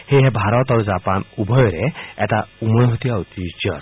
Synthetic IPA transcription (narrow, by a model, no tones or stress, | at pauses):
heɦebʱaɾɔt̪aɾud͡ʒapanubʱɔjɔɾeɛt̪aumɔjɦot̪iawt̪it͡ʃɔɾ